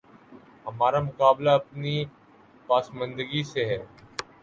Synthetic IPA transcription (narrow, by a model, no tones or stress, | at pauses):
ɦəmaːɾaːmʊkaːblaːəpniː | paːsmə̃nd̪əɡiːseɦɛː